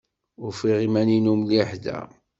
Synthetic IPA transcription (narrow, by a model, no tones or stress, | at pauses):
ʊɾfiʁimæninumliħd̪æ̰